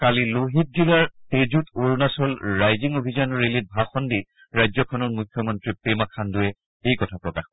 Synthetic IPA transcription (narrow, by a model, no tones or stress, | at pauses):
kaliloɦit̚zilaɹtezutoɹnasɔlɹajziŋobʱizanɔɹelit̚bʱaxɔndi | ɹajzɔkʰɔnɔtmujkʰːjɔmɔntɹipemakʰandʊɛ | ejkɔtʰapɹɔkax